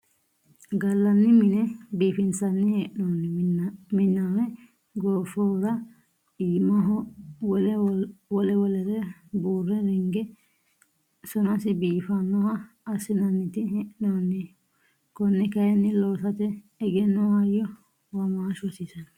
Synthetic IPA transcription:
ɡɐlːɐnːɪmɪnɛbiːfɪnsɐnːɪhɛʔnonːɪmɪnːanɛ | ɡoːfoːɾɐ | iːmɐɦɔwɔlwɔlɛwɔlɛɾɛbuːrːɛɾɛŋɡɛ | sɔnɐsɪbiːfɐnːɔhɐː | sɪnɐnːɪt̪ɪhɛʔnonːɪ | kɔnːɛkɐjɛnːɪloːsɐt̪ɛ | ɛɡɛnːɔhɐjɔ | wɐmaːʃɔsɪsɐn

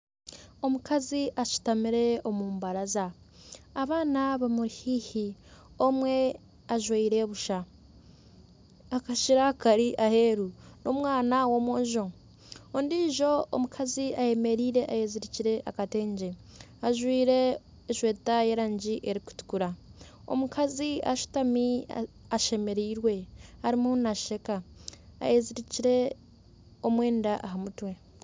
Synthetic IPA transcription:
o̞mukʰaziʔaʃi̥tamiɾe̞omuːmbaɾazaː | βaːnaβamuɾihiːhi | o̞mwe̞ | aʒweiɾe̞βuʃa | kaʃiɾakaɾiʔahe̞ːɾuno̞mwaːnawo̞ːmwoːɲʒoŋ | ondiːʒo̞o̰mukʰaziaje̞me̞ɾiːɾe̞ʔajeziɾiciɾe̞ʔakate̞ːɲɟe | aʒwiːɾe̞ː | ʃwe̞ːtaje̞ːɾaːɲɟiʔeɾiku̥tu̥kuɾa | o̰mukʰazia̰ʃu̥tami | aʃe̞me̞ɾiːɾwe̞haɾimunaʃe̞ka̰ːjeziɾiciɾe̞ | omwe̞ːndaʔaɦamutwe̞

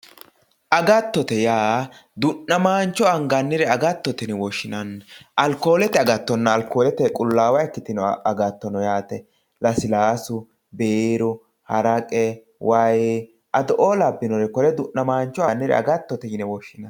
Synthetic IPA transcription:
ʔɐɡɐt̪ːɔt̪ɛjaːd̪ʊnːɐmaːnt͡ʃːɔɐŋɡɐnːɪɾɛɐɡɐt̪ːɔt̪ɛnɛwɔʃːɪnɐnʔɐlko̞ːlɛt̪ɛɐɡɐt̪ːɔnːɐːlkoːlɛt̪ɛkʼʊlːaːwɐɛkːɪt̪ɪnɔɐɡɐt̪ːɔnɔjaːt̪ɛ | lɐsɪlaːsʊ | beːɾʊ | hɐɾɐkʼɛ | wɐj | ʔɐd̪ɔʔoːlɐbːɪnɔɾɛkɔlɛd̪ʊʔnɐmaːnt͡ʃːɔɐnːɪɾɛ̰ɐ̰ɡɐt̪ːɔt̪ɛjɪnɛwɔʃːɪnɐ

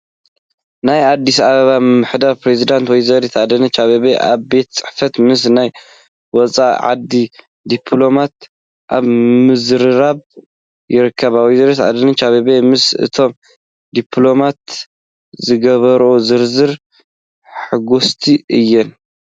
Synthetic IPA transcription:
najad̪ːis̬aβɐβamɨmːɨħd̪aɾpɾe̞zid̪ant̪wɔjzɐɾet̪ad̪ɐnɨt͡ʃʰaβeβeʔa̰βbe̞t̪̚t͡sʼɨ̥ħfɐt̪mɨs̬naj | wɔt͡sʼa̰ʕa̰d̪i | d̪ipʰlo̞mat̪ | ʔaβmɨzɨɾɨɾaβ | jɪɾɨkʰːɐβawizɐɾet̪a̰d̪ɐnɨt͡ʃʰaβeβemɨsɨ̰t̪ʰo̞m | d̪ipʰlo̞mat̪ | zɨɡɐβɐɾozɨɾzɨɾ | ħɨɡust̪ʰiʔɨjːɪn

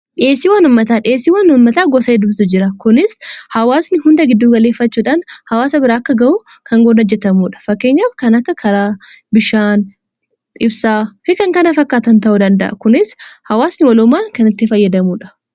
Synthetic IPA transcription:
ᶑɪeːsːiwɐnʊmːɐt̪aːᶑɪeːsːiwɐnʊmːɐt̪aːɡɔsɐed̪ʊbt̪ʊd͡ʒɪɾɐkʊnɪshɐwaːsnɪhʊnd̪ɐɡɪd̪ːuːɡɐle̞ːfːɐt͡ʃːuːᶑaːnhɐwaːsɐbɪɾaːɐkːɐɡɐʔuː | kʰɐŋɡoːnɐd͡ʒːɛt̪ɐmuːᶑɐ̥fɐkːe̞ɲːaːfkɐnɐkːɐkʰɐɾaːbɪʃaːn | ᶑɪbsaːfɪkɐŋkɐnɐfɐkːaːt̪ɐnt̪ɐʔuːd̪ɐnd̪ɐ̰ʔɐ̰kʊnɪshɐwaːsnɪwɐlʊmːaːŋkɐnɪt̪ːɪfɐjːɐd̪ɐmuːᶑɐ̥

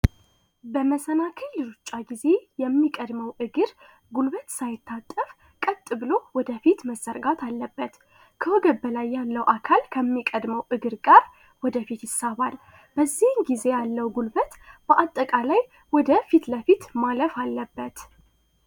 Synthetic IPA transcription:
bəməsənakʰəlːɨɾut͡ʃʼːaɡize̞jɛmːikʼəd̪məwʔɨɡɨɾ | ɡulβət̪sajɪt̪ːat̪ʼːəf | kʼət̪ʼːɨβɨlo̞wɔd̪əfit̪məsəɾɡat̪ʰalːəbːət̪ | kʰəwɔɡəbəlajːalːəwʔakʰalkʰəmːikʼəd̪məwʔɨɡɨɾkʼəɾ | wɔd̪əfit̪jɪsːaβal | b̥əzːihɨnɡize̞jalːəwɡulβət̪b̥əʔat̪ʼːəkʼalaj | wɔd̪əfit̪ləfit̪maləfalːəbːət̪

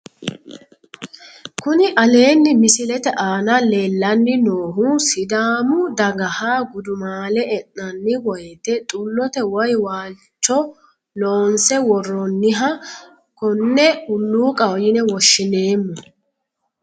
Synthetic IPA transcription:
kʊnɪʔɐle̞ːnːɪmɪsɪlɛt̪ɛʔaːnɐle̞ːlːɐnːɪnoːɦuːsɪd̪aːmʊd̪ɐɡɐhaːɡʊd̪ʊmaːlɛɛnːɐnːɪwɔjt̪ɛt̪ʼʊlːɔt̪ɛwɔjwaː | t͡ʃːɔ | loːnsɛwɔrːɔnːɪɦɐ | kɔnːɛhʊlːuːkʼɐwjɪnɛwɔʃːɪne̞ːmːʊ

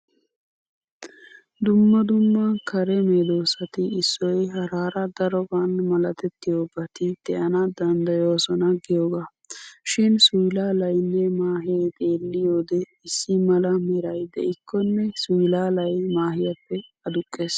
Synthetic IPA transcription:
d̪ʊmːɐd̪ʊmːɐkɐɾɛmeːd̪oːsɐt̪ɪɪsːɔjɦɐɾaːɾɐd̪ɐɾɔbanmɐlɐt̪ɛt̪ːɪjoːbɐt̪ɪd̪̥ɛʔɐnɐd̪ɐnd̪ɐjoːsɔnɐɡɪjoːɡaː | ʃɪnsʊjlaːlɐjnːɛmaːɦejt̪ʼe̞ːlːɪjoːd̪ɛ | ɪsːɪmɐlɐmɛɾɐjd̪ɛ̰ɪkʰːɔnːɛsʊjlaːlɐjmaːhɪjɐpːɛɐd̪ʊkʼːeːs

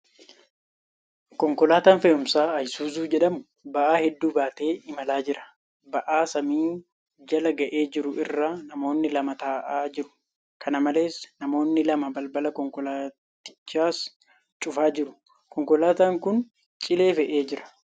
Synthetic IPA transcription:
kɔŋkɔlaːt̪aːnfɛːʔʊmsaːɐjsuːzuːd͡ʒɛᶑɐmʊ | bɐʔaːhɛd̪ːuːbaːt̪e̞ːɪmɐlaːd͡ʒɪɾɐ̥ | bɐʔaːsɐmiː | d͡ʒɐlɐɡɐʔe̞ːd͡ʒɪɾʊʔɪrːaːnɐmo̞ːnːɪlɐmɐt̪aːʔaːd͡ʒɪɾʊ̥ | kʰɐnɐmɐle̞ːsnɐmo̞ːnːɪlɐmɐbɐlbɐlɐkɔŋkɔlaː | t̪ɪ̥t͡ʃːaːs | t͡ʃʼʊfaːd͡ʒɪɾʊ̥ | kɔŋkɔlaːt̪aːŋkʊn | t͡ʃʼɪle̞ːfɛʔe̞ːd͡ʒɪɾɐ̥

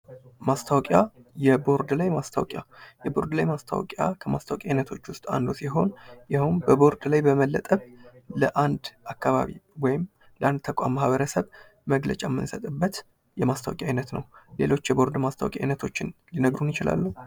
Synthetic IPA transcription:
mast̪ʰawkʼjajɛbo̞ɾd̪lajmast̪ʰawkʼja̰jɛbo̞ɾd̪lajmast̪ʰa̰w̰kʼja̰kʰəmast̪awkʼajnət̪ʰo̞t͡ʃːwʊst̪ʼa̰nd̪usiɦo̞njahumbəbo̞ɾd̪lajbəməlːət̪ʼəβləʔand̪ʔakːaβa̰βḭwɔjɪm | ləʔand̪̚t̪ʰəkʼa̰mːahβəɾəsəβ | məɡlə̰t͡ʃʼamːɨ̰nsət̪ʼɨbːət̪ | jɛmast̪ʰa̰w̰kʼajnət̪nəwle̞̰lo̞t͡ʃːjɛbo̞ɾd̪mast̪ʰawkʼajnət̪ʰo̞t͡ʃːɪnlinəɡɾunjɪt͡ʃɪla̰lːu

